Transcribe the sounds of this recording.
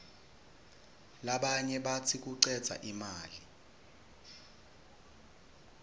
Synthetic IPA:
laɓaɲɛɓatʰik̬uǀɛd̥z̥ʱa̰ʔimaːli

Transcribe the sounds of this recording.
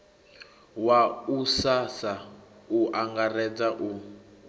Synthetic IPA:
wausasauʔaŋɡarɛd͡zaʔu

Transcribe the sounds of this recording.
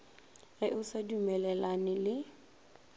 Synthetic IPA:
ɣɪʔʊsadumɛlɛlanɪlɪ

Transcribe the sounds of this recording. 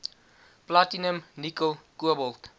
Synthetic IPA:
platinəmnikolˠkuəbəlˠt

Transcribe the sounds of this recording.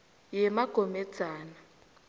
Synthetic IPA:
jɛmaɡ̥ʱomɛd̥d͡z̥ʱaːna

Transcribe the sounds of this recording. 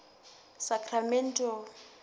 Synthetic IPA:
sakʰʼramɛn̩tʼɔ

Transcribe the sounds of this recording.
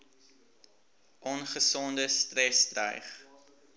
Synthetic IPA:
ʔɔnχəsɔndəstrɛstrə̰jχ

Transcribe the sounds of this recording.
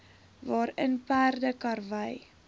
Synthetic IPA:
vɑːɾənpæːrdəkɐrvəj

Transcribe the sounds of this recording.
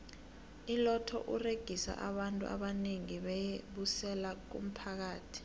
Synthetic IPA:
ilɔtʰɔ̰ʔureɡ̥ʱisa̰ʔaɓantʼṵʔa̰ɓaneŋiɓɛjeɓusɛlak̬ṵm̩pʰak̬aːtʰi̥

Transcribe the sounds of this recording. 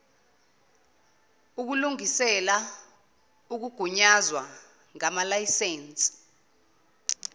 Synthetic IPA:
uk̬uluŋisɛla | uk̬uɡ̥ʱuɲazwa | ŋamalajiseːnt͡sʼi̥

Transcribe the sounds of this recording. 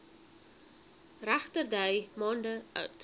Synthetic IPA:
ræχtərdəjmɑːndəœ̰ɥt

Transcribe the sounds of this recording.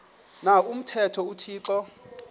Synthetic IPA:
naum̩tʰɛtʰɔutʰiːǁɔ

